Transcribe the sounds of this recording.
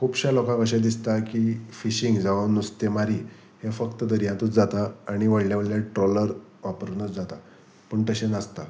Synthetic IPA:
kʰuːbɕalɔkãkəɕ̬ɛ̃d̪ist̪akifiɕiŋɡd͡zaʋanust̪emaɾi | hefəkt̪əd̪əɾjãt̪ut͡sd͡zat̪aːɽ̃iʋəɽljaʋəɽljaʈɾoləɾʋapɾunət͡sd͡zat̪a | pəɳʈ̪əɕenast̪a

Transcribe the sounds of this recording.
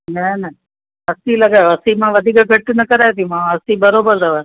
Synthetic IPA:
nɛnɐ | ɦɐsilɐɡaːoɐsiːmãːʋɐd̪ʱikəɡʱɐʈːnɐkɐɾaet̪imãɐsibɐɾoːbəɾd̪ɐʋa

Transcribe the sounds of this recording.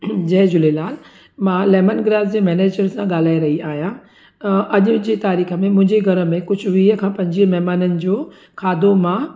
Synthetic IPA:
d͡ʑɛːd͡ʑʊlelaːl | mãːlɛːmənɡɾaːdd͡ʑeːmɛːneːd͡ʑəɾsãɠaːl̤aːiɾɐɦiaːɦijã | ʔɐʄʊd͡ʑeːt̪aːɾiːxəmẽmʊ̃ɦɪ̃ɲd͡ʑeɡʱɐɾəmẽkʊd͡ʑʱʊʋiːɦəkʰãːpɐ̃ɦɪ̃d͡ʑiɦəmɛɦmaːnənɪ̆d͡ʑoː | kʰaːd̪omã

